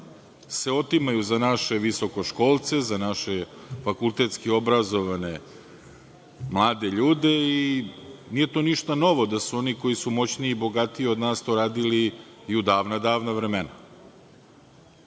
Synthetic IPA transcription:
se̞o̞t̪imajuzanaʃe̞ʋiso̞ko̞ʃko̞ːlˠt̪se̞zanaʃefakult̪e̞t̪skio̞bɾazo̞ʋane̞ | mlˠaːd̪eʎuːd̪ei | nije̞t̪o̞ːniʃt̪ano̞ʋo̞d̪asuo̞niko̞jisumo̞t͡ɕniibo̞ɡat̪ieo̞d̪naːst̪oɾaːd̪ili | iud̪aːʋnad̪aːʋnaʋɾemena

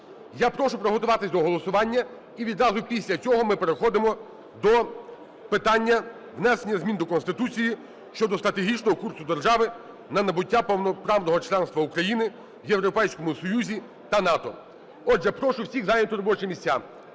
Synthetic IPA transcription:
japɾɔʃʊpɾɔɦɔt̪ʊʋɑt̪ɪsʲd̪ɔɦɔlˠɔsʊʋɑnʲːɐ | iʋʲid̪ɾɑzʊpʲisʲlʲɐt͡sʲɔɦɔmɪpeɾexɔd̪ɪmɔ | d̪ɔ | pɪt̪ɑnʲːɐ | ʋnɛsenʲːɐzmʲind̪ɔkɔnst̪ɪt̪ut͡sʲiji | ʃt͡ʃɔd̪ɔst̪ɾɐt̪eɦʲit͡ʃnɔɦɔkursʊd̪erʒɑʋɪ | nɐnɐbʊtʲːapɔwnɔpɾɑwnɔɦɔt͡ʃlˠɛnst̪ʋɐukɾɐjinɪ | jewɾɔpɛjsʲkɔmʊsɔjuzʲi | t̪ɐnɑt̪ɔ̰ | ɔʒɛpɾɔʃʊwsʲiɣzɑjnʲɔt̪ʊɾɔbɔt͡ʃɪmʲisʲt͡sʲa

